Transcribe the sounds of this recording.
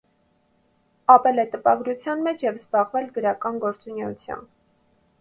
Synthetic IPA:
ɑpɛlɛt̪əpɑɡɾut͡sʰjɑnmɛt͡ʃʰjɛvzbɑʁvɛlɡəɾɑkɑnɡɔɾt͡sunɛut͡sʰjɑ̰n

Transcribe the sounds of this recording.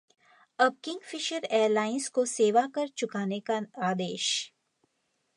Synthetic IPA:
ɐb̚kɪ̃ŋɡfɪʃəɾeːɾlaːɪnzkoseːʋakɐɾt͡ʃʊkaːnekaaːd̪eːʃ

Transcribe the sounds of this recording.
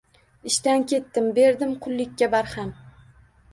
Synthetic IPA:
ɪʃt̪ankʲʰe̞t̪ːɪmbe̞ɾd̪ɪmqʰʊlˠːɪkʲːabaɾham

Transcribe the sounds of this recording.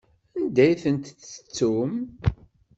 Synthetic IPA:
ænd̪æjθənt̪θət͡sːum

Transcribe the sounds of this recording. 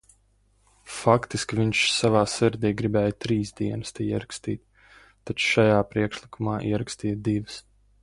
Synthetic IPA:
fakt̪iskʲvʲiɲʃsavaːsiɾd̪iːɡɾibɛːjt̪ɾiːsd̪iɛnɨst̪ɛjiɛɾakst̪iːt̪ʲː | at͡ʃʃajaːpɾiɛkʃlˠikumaːʔḭɛɾakst̪iːd̪ivɨs

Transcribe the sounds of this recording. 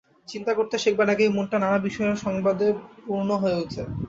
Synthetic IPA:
t͡ɕint̪akoɾt̪eʃek̚baɖakejmunʈananabiʃɔeɾʃɔŋbad̪epuɾnoɦoeut͡ɕʰe

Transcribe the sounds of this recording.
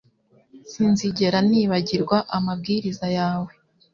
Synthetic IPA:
sinziɟe̞ɾaniːβaɟiɾɡwaʔamab̚ɡiɾizajaːwe̞

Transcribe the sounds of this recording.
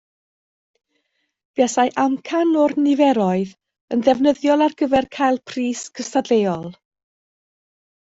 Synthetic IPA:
v̥ɛsajʔamkʰanɔrnɪvɛɾɔɨð | əndɛvnəðjɔlˠarɡəvɛrkʰajlˠpʰriːskʰəstadlejɔlˠ

